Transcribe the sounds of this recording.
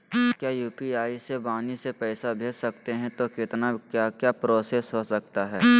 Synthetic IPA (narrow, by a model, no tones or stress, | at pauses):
kjaːjuːpiaːisebaːnisepɛːsabʱeːd͡ʒsɐkt̪eɦɛ̃t̪okɪt̪nakjakjaːpɾoːsesɦosɐk̚t̪aɦɛː